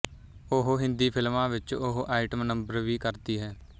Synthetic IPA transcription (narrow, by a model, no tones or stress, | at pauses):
ʊɦɦɪ̃nd̪iːpʰɪlmãːʋɪt͡ʃʊɦʔaːɪʈəmnəmbəɾʋiːkəɾt̪iːɦɛː